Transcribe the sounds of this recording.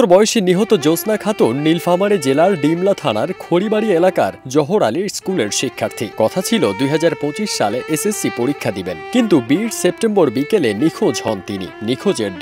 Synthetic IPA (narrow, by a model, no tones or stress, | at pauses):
oɾbɔoʃiniɦot̪od͡ʑosnakʰat̪unːilfamaɾed͡ʑelaɾɖimlat̪ʰaɽ̃aɾkʰoɽibaɽielaka̰ɾd͡ʑɔɦoɽaliɾskuleɾʃikʰːaɾt̪ʰikɔt̪ʰat͡ɕʰilod̪ujɦad͡ʑaɾpõt͡ɕiʃʃaleʔesesːipoɾikʰːad̪ibenkint̪ubiɾsep̚ʈemboɾbikelenikʰod͡ʑɦɔnt̪inḭnikʰod͡ʑeɾ